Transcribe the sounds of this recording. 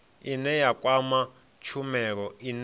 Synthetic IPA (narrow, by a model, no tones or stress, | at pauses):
inɛjakʼwama | t͡ʃʰumɛk̬ɔin